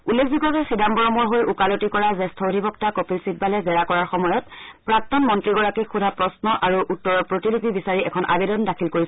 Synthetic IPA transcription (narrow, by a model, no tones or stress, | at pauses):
ulːekʰzikɔkɛxidambɔɹɔmɔɹɦojʔukalotikɔɹazɛstʰodʱibʱɔktakopilsit̚balɛzɛɹakɔɹaɹxɔmɔjɔtpɹak̚tɔnmɔntɹiɡɔɹakikxudʱapɹɔsnɔʔaɹuʔutːɔɹɔpɹotilipibisaɹiɛkʰɔnʔa̰bedɔndakʰilkoɹis